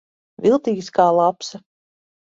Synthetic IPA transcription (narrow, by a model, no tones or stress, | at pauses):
vʲilˠt̪iːɡʲskaːlˠapsa